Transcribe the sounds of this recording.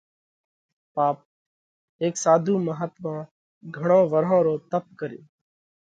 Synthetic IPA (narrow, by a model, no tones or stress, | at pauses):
paːp̚ | eːksaːd̪ʱuːməɦət̪mãː | ɡʱəɳõːʋəɾõːɾoːt̪əp̚kəɾḛː